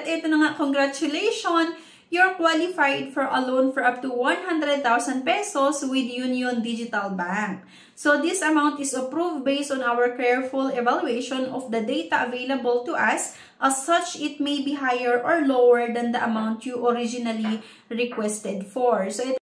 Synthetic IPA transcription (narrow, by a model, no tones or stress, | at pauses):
t̪ʔɛt̪onɐŋakɔŋɡɾat͡ʃʊlejʃɔn | juɹkwalɪfajd̪fɔɹʔɐlõwnfɔɹʔɐp̚t̪uwɐ̃nɦãnd̪ɾɛd̪̚t̪awsɐnd̪̚pɛsoswɪd̪junjɔ̃nd̪id͡ʒɪt̪ɐlbãŋk̚ | sod̪ɪsɐmawnt̪ɪsɐpɹuvd̪̚bejst̪ɔ̃nʔawəɹkɛɹfʊlɛvaljuejʃɔ̃nɔfd̪ɐd̪ejt̪ɐʔɐvejlɐbɔlt̪ʊʔɐs | ʔɐsːɐt͡ʃɪt̪̚mejbiɦajɛɹʔɔɹlowɛɹd̪ɐnd̪ɐʔɐmawnt̪juʔɔɾid͡ʒɪnɐli | ɹɪkwɛst̪ɛd̪fɔɹsoɪ